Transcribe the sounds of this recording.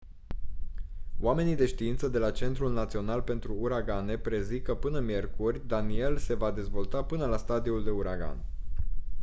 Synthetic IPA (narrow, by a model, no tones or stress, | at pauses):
wame̞nid̪e̞ʃt̪iint̪səd̪e̞lat͡ʃe̞nt̪ɾulnat̪sio̞nalpe̞nt̪ɾuːɾaɡane̞pɾe̞zikəpɨnəmije̞rkurʲd̪anie̞lse̞vad̪e̞zvo̞lt̪apɨnəlast̪ad̪iuld̪e̞uɾaɡa̰n